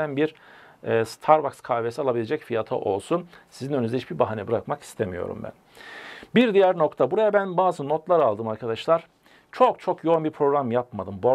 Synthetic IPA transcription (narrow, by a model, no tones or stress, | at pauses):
ænbiɾ | ɛːst̪ʰaɾbakskʰaːvesialˠabilʲe̞d͡ʒɛcfijat̪ʰa̰ʔo̞lˠsunsizinønyzɛhit͡ʃbiɾbaɦanɛbɯɾakmaki̥st̪ʰemijo̞̰ɾṵmbæ̰n | biɾd̪ijæɾno̞kt̪ʰabuɾajabænbaːzɯnot̪lˠaɾalˠd̪ɯmaɾkʰad̪aʃlˠaɾ̥ | t͡ʃʰo̞k̚t͡ʃʰo̞kjo̞unbiɾpʰɾo̞ɡɾamjapmad̪ɯmbo